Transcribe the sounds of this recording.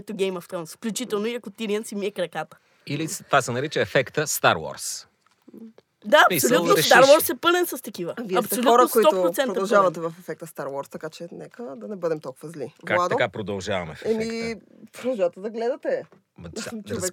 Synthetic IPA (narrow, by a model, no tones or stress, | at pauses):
t̪ʊɡʲɛjmɐft̪ɔnsfklʲut͡ʃit̪ɛlˠnʊiɐkʊt̪iɾiɛnsimiɛkɾɐkat̪ə̥ | ilist̪vasɛnɐɾit͡ʃəɛfɛkt̪əst̪a̰ɾwɔ̰ɾs | d̪aɐmisoutnoɾɛt̪aɾvɔɾsɛpɤlɛnsɐst̪ɐk̟ivəviɛɐpsolʲɔɾəoskoiɔtpɾʊsɛnɾd̪ɐɐlˠʒavɐt̪ɛvɐfɛfɛk̚t̪əst̪aɾwɔɾst̪ɐkat͡ʃɛnɛkəd̪ɐnɛbɤd̪ɛmt̪ɔlˠkʊvɐzlivkaad̪ɐkapɾod̪ɐlˠʒavɐ̰mɛfɛmipɾod̪ɐlˠʒavət̪ɛd̪ɐɡlɛd̪ɐt̪ɛ | vɛ